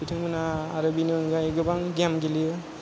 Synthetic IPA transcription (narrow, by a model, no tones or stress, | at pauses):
itʰɯŋɯnaːɾabinɯnɡajɡɯbaŋɡamɡiliɯ